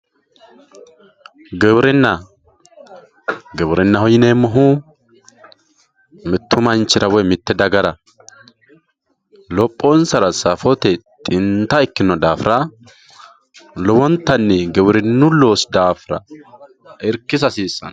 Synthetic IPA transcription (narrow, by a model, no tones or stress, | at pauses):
ɡɛbɾɪnːɐ | ɡɛbɾɪnːɐɦɔjɪneːmɔɦu | mɪt̪ːʊmɐnt͡ʃːɪɾɐwɛmɪt̪ːɛd̪ɐɡɐɾɐ | lɔpʼːoːnsɐɾɐsɐfɔt̪ɛt̪ʼɪnt̪aɪkːɪnːɔd̪aːfɾɐ | lɔwɔnt̪ɐnːɛɡɛbɾɪnːuloːsd̪aːfɾɐ̰ | ɪɾkɪs̬ɐsiːsːɐ̰n